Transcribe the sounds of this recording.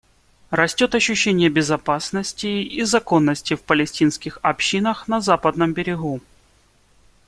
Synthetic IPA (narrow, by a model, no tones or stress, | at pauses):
rɐsʲtʲo̞t̪ɐɕːʉɕːenʲɪjəbʲɪzɐpasnəsʲtʲɪizɐko̞nːəsʲtʲɪfpəlʲɪsʲtʲinskʲɪxɐpɕːinəxnɐzapəd̪nəmbʲɪɾʲɪɣu